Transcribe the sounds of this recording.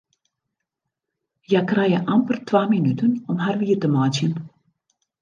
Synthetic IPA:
jakrajəʔampərtʋaːminytənɔmɦarʋiːərtəmaːtjən

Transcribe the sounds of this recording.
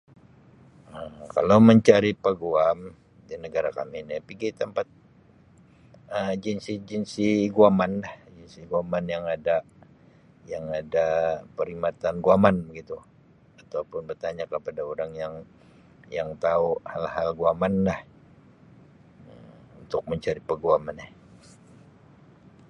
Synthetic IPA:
əka̰lawməɲt͡ʃaɾipəɡuam | dinəɡaɾakaminipiɡit̪əmpat̪̚ | əd͡ʒinsid͡ʒinsiɡuamanlahd͡ʒinsiɡuamanjaŋada | jaŋadapəɾimat̪anɡuamanbəɡit̪u | at̪aupʊnbərt̪aɲakəpadaoɾaŋjaŋ | jaŋt̪auhalɦalɡuamanlah | əm | unt̪ʊk̚məɲt͡ʃaɾipəɡuamanɛ

